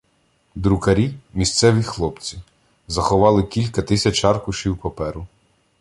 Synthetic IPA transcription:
d̪ɾʊkɐɾʲimʲist̪sɛʋʲixlˠɔpt͡sʲi | zɐxɔʋɑlˠɪkʲilʲkɐt̪ɪsʲɐt͡ʃɑrkʊʃiwpɐpɛɾʊ

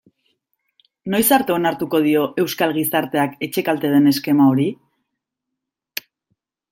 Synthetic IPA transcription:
no̞jsaɾt̪e̞o̞naɾt̪uko̞ð̞io̞ʔe̞wskalɣisaɾt̪e̞ake̞t͡ʃe̞kalt̪e̞ð̞e̞ne̞ske̞maoɾi

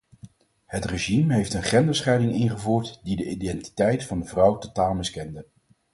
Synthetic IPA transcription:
hətreʒimɦejftənχɛndəsχɛjdɪŋɪnχəvuːɹtdidəidɛnti̥tɛjtfɑndəvrɑwtotaːlˠmɪskɛndə

